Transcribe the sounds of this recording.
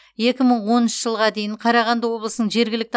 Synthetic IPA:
je̞kʲɪməɴwo̞nənʃəʒəlˠʁɑd̪e̞jɪɴqʰɑɾɑʁɑnd̪əwo̞blˠəsənəɴʒe̞ɾɡʲɪlɪk̚t̪ʰ

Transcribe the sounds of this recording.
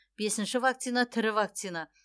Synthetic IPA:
b̥e̞sɪnʃɪvak̚t̪sijnat̪ʰɪɾɪvak̚t̪sijna

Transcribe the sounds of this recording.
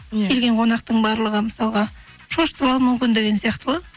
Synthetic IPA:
kʲʰe̞lɡʲe̞ɴqʰo̞nɑq̚t̪əɴbɑɾlˠəʁəməsɑlˠʁɑ | ʃoʃt̪wɑlˠmʏmkʲɪnd̪e̞ɡʲe̞nsijɑqt̪əwo

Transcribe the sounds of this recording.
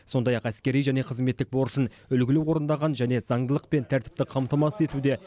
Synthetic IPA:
so̞nd̪ɑjɑqæskʲe̞ɾijʒæne̞qʰəzme̞t̪ːɪk̚bo̞ɾəʃən | ʏlɡʲɪlewo̞ɾənd̪ɑʁɑnʒæne̞zɑɴd̪əlˠəq̚pe̞nt̪ʰæɾt̪ɪ̥p̚t̪ɪqʰɑmt̪ɑmɑsəe̞t̪ud̪e̞

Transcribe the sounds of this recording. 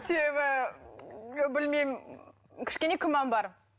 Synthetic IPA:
se̞be̞bɪ | bɪlmejm | kʲʰɪ̥ʃkʲenekʲʰɪmːɑnbɑɾ

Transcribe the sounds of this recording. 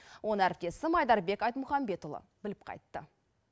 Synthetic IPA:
wʔonəæɾɪp̚t̪e̞sɪmɑjd̪ɑɾbe̞kɑjt̪mʊχɑmbe̞t̪ʊlˠə̰bɪlɪp̚qʰɑ̰jt̪ːə

